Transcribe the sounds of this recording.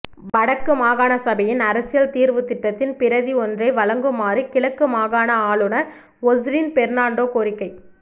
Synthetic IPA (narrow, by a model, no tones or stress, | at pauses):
ʋɐɽɐkːɯmaːɣaːnɐsɐbɐjɪnɐɾɐsɪjɐlt̪iːɾʋɯt̪ɪʈːɐt̪ːɪnpɪɾɐðiɔndrɐɪʋɐɭɐŋɡɯmaːɾikɪɭɐkːɯmaːɣaːnɐaːɭɯnɐɾ | ɔzɾiːnpɛɾnaːɳɖoːkoːɾɪkːɐɪ